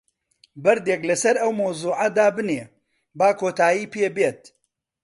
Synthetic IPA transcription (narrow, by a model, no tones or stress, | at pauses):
bɐɾd̪eːklɐsɐɾɐwmɐwzuːʕɐd̪aːbɨneː | baːkʰoːt̪aːjiːpʰeːbeːt̪̚